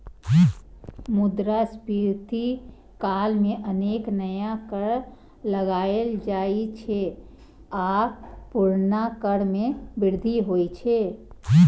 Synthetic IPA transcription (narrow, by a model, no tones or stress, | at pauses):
mʊd̪ɾaspiːɾt̪i | kaːlmẽʔəneːknəjakəɽ | ləɡaːeld͡ʒaːit͡ʃʰe | aːpʊɾnakəɽmẽbɪɾd̪ʱiɦoːit͡ʃʰe